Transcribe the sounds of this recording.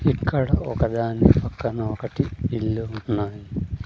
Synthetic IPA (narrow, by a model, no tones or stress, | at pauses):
ikːɐɽɐokɐd̪aːnɐpɐkːɐnɐokɐʈːiilːuunːaːji